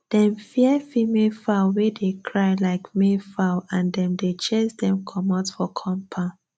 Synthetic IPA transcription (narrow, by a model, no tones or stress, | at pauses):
d̥ɛ̃mfiɛfimefawedekʰɹaɪlaɪkmefaʊãndɛ̃mdet͡ʃesdɛ̃mkʰɔ̃matfɔkʰɔ̃mpʰãʊ